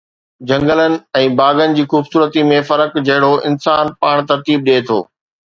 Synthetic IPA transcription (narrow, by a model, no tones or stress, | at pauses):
d͡ʑɐ̃ŋɡələnɪ̆ɛ̃ːbaːɡənɪ̆d͡ʑiːxuːbsuːɾət̪imẽfɐɾəkd͡ʑɐɦɪɽoʔɪ̰̃nsaːnpaːɽ̃t̪ɐɾt̪iːb̚ɗeːt̪ʰo̰ː